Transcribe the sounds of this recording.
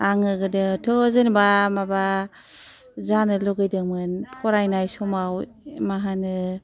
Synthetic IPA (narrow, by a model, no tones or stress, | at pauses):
aŋɯɡɯdɯtʰɔzenbamaba | zanɯlɔɡɯjdɯmɯnpʰɔɾajnajsɔmaw | maɦanɯ